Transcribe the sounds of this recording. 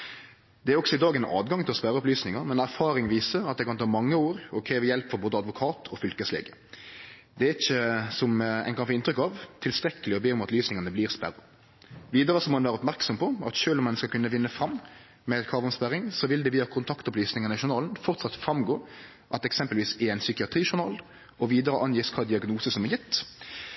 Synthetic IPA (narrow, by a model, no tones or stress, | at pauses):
d̪ɛæɾɔksɔɪd̪ɑːɡɛnɑ̰ːd̪ɡɑŋt̪ʰɪlɔspæɾəɔplyːsnɪŋɑmɛnæɾfɑːɾɪŋʋiːsəɾɑt̪̚d̪ɛɪkɑnt̪ʰɑːmɑŋːəoːɾɔkʰɾeːʋəjɛlpfɔɾboːd̪əɑd̪ʋʊkʰɑːt̪ʰɔfʏlkəslḛːɡə | d̪ɛæɾɪçːəsɔmɛ̰ɪnkɑnfoːɪnt̪ɾʏkɑʋt̪ʰɪlst̪ɾɛkːəlɪɔbeːɔmɑt̪lyːsnɪŋɑnəbliːʁspæɾɑ | ʋiːd̪əɾəsɔmɔmɑnæːɾəɔpmæɾksɔmpʰɔɑt̪ʃøːlɔmɛnskɑlkʰʉnːəʋɪnːəfɾɑmː | mɛɛt̪kʰʁɑːʋʊnspæɾɪŋsɔʋɪld̪ɛʋɪːɑkʰʊnt̪ʰɑkt̪əpʰɔlyːsnɪŋɑnəɪʃʊɾnɑːlənfɔʁt̪sɑt̪fɾɑmɡoː | ʔɑt̪ɛksɛmpəlʋiːsɛæɪnsʏkɪɑt̪ɾiːʃʊnɑːl | ɔʋiːd̪əɾəʔɑnjiːskʰɑːd̪ɪɑɡnuːsəsɔmɛjɪt̪ː